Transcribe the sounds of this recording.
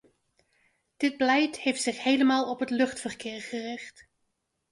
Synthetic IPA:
d̥ɪd̚bəlɛjthejftsɪχhejləmaːlˠɔpɦətlɵχtfərkɪːɹχərɪχt

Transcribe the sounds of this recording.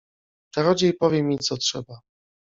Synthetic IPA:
taɾɔd͡ʑejpɔvʲjɛmʲit̪sɔtʂɛba

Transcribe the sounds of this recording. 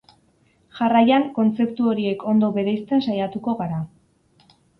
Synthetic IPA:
ʝarajaŋko̞nt͡se̞pt̪uo̞ɾie̞ko̞nd̪o̞βe̞ɾejst̪e̞nsajat̪uko̞ɣaɾa

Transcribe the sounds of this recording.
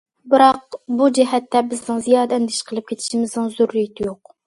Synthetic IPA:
bɨɾɑqbud͡ʒɛɦɛt̪ʰːɛbɪznɪŋzijɑːd̪ɛɛnd̪ɪʃqʰəlˠɨp̚kʲʰet̪ʰi̥ʃimɪznɪŋzuɾːijit̪ʰɪjoq

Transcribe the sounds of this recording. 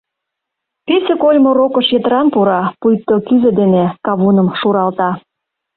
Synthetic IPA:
pisekolʲmoɾokə̆ʃjet̪ə̆ɾɑnpuɾɑpujk̚t̪ːokyzĕd̪enekɑβunə̆mʃuɾɑlt̪ɑ

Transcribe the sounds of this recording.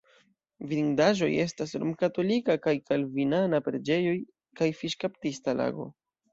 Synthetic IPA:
viɾiŋdaʒo̞̰je̞stasɾo̰mkato̞likakajkalvinanapɾe̞d͡ʒe̞jo̞j | kajfiʃkaptistala̰ɡo̞̰

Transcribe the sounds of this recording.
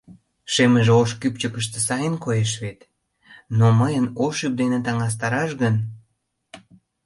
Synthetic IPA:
ʃeməʒeoʃkypt͡ɕəkəʃt̪esɑjənkojeʃβet̪ | noməjənoʃyp̚d̪enet̪ɑŋɑs̬t̪ɑɾɑʃɣən

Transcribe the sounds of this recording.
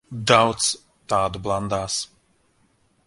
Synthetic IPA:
d̪awt̪s | t̪aːd̪ublˠand̪aːs

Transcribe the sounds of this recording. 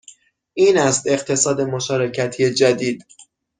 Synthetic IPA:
ʔiːnæst̪e̞ɢt̪ʰe̞sɒːd̪e̞mo̞ʃɒːɾecʰæt̪ʰijed͡ʒæd̪iːd̪̥

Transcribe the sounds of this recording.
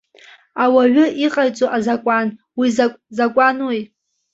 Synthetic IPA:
awaɥʊʔiqʼajt͡sʼoʔazakʷʼan | wizakʷʼanwuj

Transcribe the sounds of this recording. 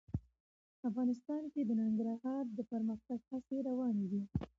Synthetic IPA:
afɣɑnɪst̪ɑnked̪ənɪŋɡɾaɦɑɾd̪əpəɾməxt̪aɡhaseɾawɑned̪i

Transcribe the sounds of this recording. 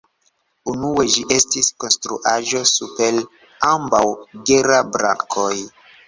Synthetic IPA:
unue̞d͡ʒiʔe̞stisko̞nstɾuʔaʒo̞supe̞l | ambawɡeɾabɾa̰kʰoj

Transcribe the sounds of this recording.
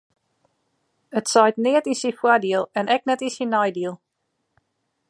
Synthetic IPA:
ətsɔjtnɪətinsifwadiəlˠɛnɛk̚nɛtisinɔjdiəlˠ

